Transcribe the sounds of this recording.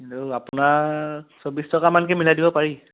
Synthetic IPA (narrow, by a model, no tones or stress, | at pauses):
oapʊnaɹsobistɔkamank̬ɛmilajdibɔpaɹi